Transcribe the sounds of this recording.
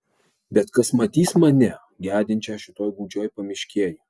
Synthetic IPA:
bʲɛt̪kɐsmɐt̪ʲiːsmɐnʲɛ | ɡʲæːd̪ʲɪnʲt͡ʃʲɛːʃʲɪt̪oːjɡuːd͡ʒʲoːjpɐmʲɪʃʲkʲiɛji

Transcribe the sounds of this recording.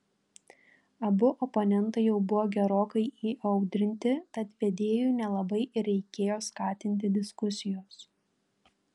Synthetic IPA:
ɐbʊʔɔpɔnʲɛnˑt̪ɐɪjɛʊbʊʋoːɡʲɛɾoːkɐɪiːʔɐʊd̪ʲɾʲɪnʲt̪ʲɪt̪ɐt̪ʋʲɛd̪ʲeːjuːnʲɛlˠɐbɐɪɾʲɛɪkʲeːjoːskɑːt̪ʲɪnʲt̪ʲɪd̪ʲɪskʊsʲɪjoːs

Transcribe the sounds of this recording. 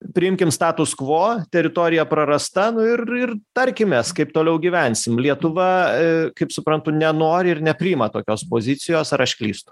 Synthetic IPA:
pʲɾʲɪɪmʲkʲɪmst̪ɑːt̪ʊskʋoːt̪ʲɛɾʲɪt̪oːɾʲɪjɛpɾɐɾɐst̪ɐnʊɪrɪrt̪ɐɾʲkʲɪmʲeːskɐɪpt̪oːlʲɛʊɡʲiʋʲɛnʲsʲɪmlʲiɛt̪ʊʋɐkɐɪpsʊpɾɐnt̪ʊnʲɛnoːɾʲɪɪrnʲɛpʲɾʲɪɪmɐt̪oːkʲoːspoːzʲɪt̪t͡ssʲɪjoːsɐɾɐʃʲkʲlʲḭːst̪ʊ̥

